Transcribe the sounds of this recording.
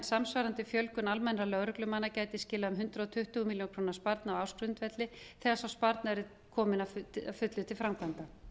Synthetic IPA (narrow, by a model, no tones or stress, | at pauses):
nsamsvaɾant̪ɪfjœlkʏnalmɛnɾalœɣɾʏklʏmaːnːacaːjt̪ɪscɪːlaʏmɦʏnt̪ɾaɔt̪ʰʏht̪ʏmiljonkʰɾoːnḁspaɾt̪nawawskɾʏnt̪vɛt̪lɪ | θɛːɣasawspaɾt̪naɛɾɪ | kʰɔːmɪnafafʏt̪lʏt̪ʰɪlfɾawmkʰant̪a